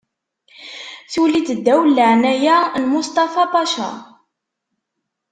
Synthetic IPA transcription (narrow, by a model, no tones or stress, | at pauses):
θulid̪əd̪ːæwlːəʕnæjænmʊst̪ˤɑfɑpɑʃɑ̰